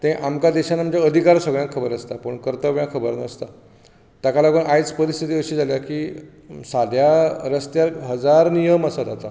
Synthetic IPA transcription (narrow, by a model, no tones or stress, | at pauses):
t̪ẽʔamkad̪ɛɕanamt͡ɕjaəd̪ʱikaɾsəɡɭjãkʰːəbəɾəst̪apəɳkəɾt̪əʋjãkʰəbəɾnəst̪a | t̪akalaɡuːnʔajt͡spəɾist̪ʰit̪̬iəɕiːd͡zʱaljakiː | sad̪ʱjaɾəst̪jaɾɦəd͡zaɾnijəməsad͡zat̪a